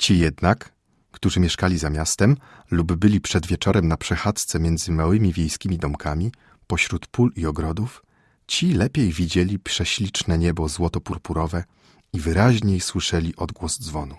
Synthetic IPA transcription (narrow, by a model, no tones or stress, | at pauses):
t͡ɕijɛd̪nakː | t̪uʐɘmʲjɛʂkalʲizamʲjast̪ɛm | lubːɘlʲipʂɛd̪vʲjɛt͡ʂɔɾɛmnapʂɛxat̪st̪sɛmʲjɛnd̪zɘmawɘmʲivʲjejskʲimʲid̪ɔmkʰamʲi | pɔɕɾut̪puliɔɡɾɔd̪uf | t͡ɕilɛpʲjejvʲid͡ʑelʲipʂɛɕlʲit͡ʂnɛɲɛbɔzwɔt̪ɔpuɾpuɾɔvɛ | ivɘɾaʑɲejswɘʂɛlʲiʔɔd̪ɡwɔzd̪zvɔnu